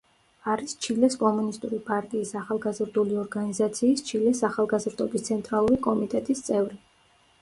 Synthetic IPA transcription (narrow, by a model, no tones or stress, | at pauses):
aɾist͡ʃʰilɛskʼɔmunist̪ʼuɾipʼaɾt̪ʼiːsaχalˠɡazɾd̪uliɔɾɡanizat̪sʰiːst͡ʃʰilɛsaχalˠɡazɾd̪ɔbist̪sʰɛnt̪ʼɾalˠuɾikʼɔmit̪ʼɛt̪ʼist̪sʼɛvɾi